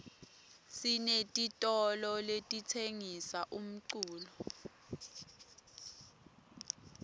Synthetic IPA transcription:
sinetʼitʼɔlɔletʼitʰeŋisaʔum̩ǀuːlɔ

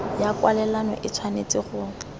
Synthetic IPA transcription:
jakwalɛlanɔ̰ʔɪt͡sʰwanet͡sʼɪɣʊ

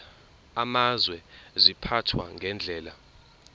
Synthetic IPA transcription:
amazwɛzipʰatʰwa̰ŋɡʱɛnd͡ɮʱɛːla

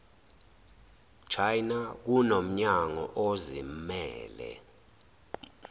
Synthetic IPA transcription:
t͡ʃʰajnak̬unom̩ɲaŋɔ̰ʔozimmɛːlɛ̰

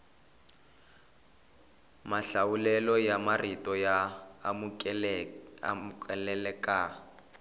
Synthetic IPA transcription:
maɬawulɛlɔjamaritʼɔja | kɛlɛlɛkʼa

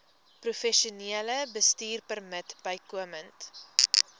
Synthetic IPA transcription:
prufɛʃuniələbəstiːrpərmətbəjkuəmənt

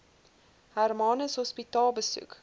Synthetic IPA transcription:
hærmɑnəsɦɔspitɑːlˠbəsṵk

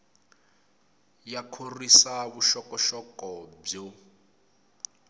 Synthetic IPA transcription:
jakʰorisaβuʃɔkɔʃɔkʼɔb͡ʐo

